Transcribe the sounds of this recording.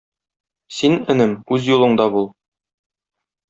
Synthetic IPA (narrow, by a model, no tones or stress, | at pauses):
sinɘ̆nɘmʉzjulˠɤ̆ɴd̪ɑbulˠ